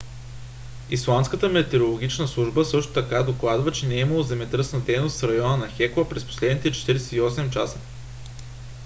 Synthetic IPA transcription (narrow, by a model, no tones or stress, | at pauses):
islˠanskət̪əmɛt̪ɛɾolˠoɡ̟it͡ʃnəslˠuʒbəsɤʃt̪o̥t̪ɐkad̪oklˠad̪vət͡ʃɛnɛiməlˠozɛmɛt̪ɾɤsnəd̪ɛjnost̪sɾɐjɔnənɐxɛklˠəpɾɛspo̥slɛd̪nit̪ɛt͡ʃɛ̥t̪iɾɛsɛt̪iɔsɛmt͡ʃasə̥